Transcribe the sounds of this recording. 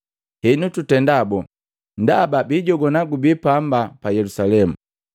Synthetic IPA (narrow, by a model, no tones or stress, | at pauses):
hɛnututɛndabɔ | ndababiɟɔɡɔnaɡubipambapajɛlusalɛmu